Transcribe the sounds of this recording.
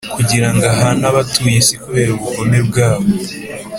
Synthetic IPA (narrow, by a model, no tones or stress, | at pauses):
kuɟiɾaŋɡaɦanaβatuːjesikuβe̞ːɾuβuɡone̞b̚ɡaːβo